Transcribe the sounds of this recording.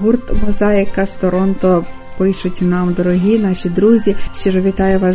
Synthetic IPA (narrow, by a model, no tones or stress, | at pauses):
ɦurt̪ʋɐzɑjɐkɐst̪ɔɾɔnt̪ɔ | pɪjʃʊtʲnɑmd̪ɔɾɔɦʲinɑʃʲid̪ɾuzʲiʃt͡ʃɔʒɔʋʲit̪ɑjʊʋɑs